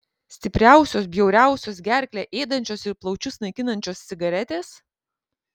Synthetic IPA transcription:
sʲt̪ʲɪpʲɾʲæˑʊsʲoːsbʲjɛʊɾʲæˑʊsʲoːs̬ɡʲæɾʲkʲlʲeːʔeːd̪ɐnʲt͡ʃʲoːsɪɾplˠɒʊt͡ʃʲʊsnɐɪkʲɪnɐnʲt͡ʃʲoːsʲt̪sʲɪɡɐɾʲɛt̪ʲeːs

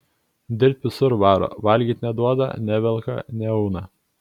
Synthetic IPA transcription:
d̪ʲɪɾʲpʲʋʲɪsʊɾʋɑːɾo̰ːʋɐlʲɡʲiːt̪ʲnʲɛd̪uɔd̪ɐ̰nʲɛʋʲɛlˠkɐ̰nʲɛɔʊnɐ

